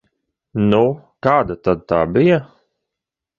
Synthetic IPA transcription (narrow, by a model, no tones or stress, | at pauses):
nukaːd̪at̪ad̪̚t̪aːbija